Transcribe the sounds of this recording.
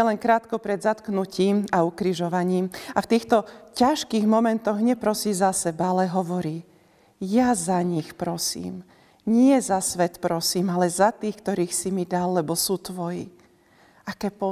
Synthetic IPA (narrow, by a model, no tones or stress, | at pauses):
ɛlɛŋkɾaːt̪kɔpɾɛd̪zat̪knuciːmaukɾiʒɔʋaɲiːmaft̪iːxt̪ɔcaʃkiːɣmɔmɛnt̪ɔɣɲɛpɾɔsiːzasɛbaalɛɦɔʋɔɾiː | jazaɲixpɾɔsḭːm | ɲɪɛzasʋɛt̪pɾɔsiːmalɛzat̪iːxkt̪ɔɾiːxsimid̪alːɛbɔsuːt̪ʋɔjḭ | akɛːpɔ